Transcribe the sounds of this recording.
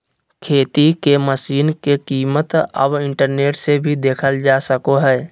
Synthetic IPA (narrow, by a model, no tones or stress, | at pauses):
kʰeːt̪ikeməsiːnkekiːmət̪ə̰bɪ̃ɳʈəɾneːʈsebʱid̪eːkʰəld͡ʒaːsəkoɦɛː